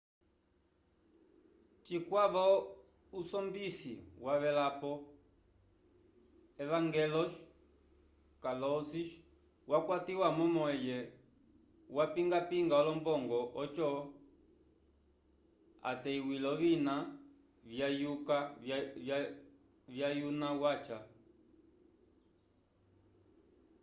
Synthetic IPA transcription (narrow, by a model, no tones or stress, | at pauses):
t͡ʃikwaβɔ | usɔmbisḭwaβɛlapɔ | ɛvaŋɡɛlɔʃ | kalɔsiʃ | wakwatiwamɔmɔɛjɛ | wapiŋɡapiŋɡaɔlɔmbɔŋɡɔɔt͡ʃɔ | a̰tɛiwilɔʋina | ajuka | vjajunawat͡ʃa